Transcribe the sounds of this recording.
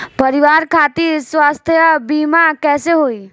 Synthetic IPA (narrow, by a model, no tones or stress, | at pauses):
pəɾiʋaɾkʰat̪iɾswast̪ʰjəbimakɛseɦoj